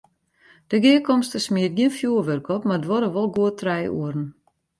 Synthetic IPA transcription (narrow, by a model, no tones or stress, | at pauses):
d̥əɡɪəkɔmstəsmiət̚ɡiənfjuərʋørkɔpmardəʋɔɾəʋɔlˠɡuətʰrɛjṵərn̩